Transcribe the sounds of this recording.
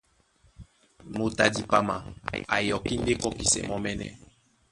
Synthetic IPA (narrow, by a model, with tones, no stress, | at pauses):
mo˨ta˨di˨pa˨ma̰˨a̰˨jɔ˨ki˦n˦de˦kɔ˦ki˨sɛ̰˨mɔ˦mɛ˦nɛ̰˨